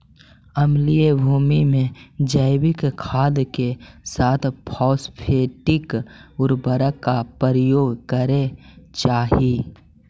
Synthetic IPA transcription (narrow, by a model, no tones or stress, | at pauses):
əmliebʱuːmimẽd͡ʒəɪwɪkkʰaːd̪kesaːt̪ʰpʰɔːspʰeːʈɪkʊɾbəɾəkːapəɾəjoːɡkəɾet͡ʃaːɦi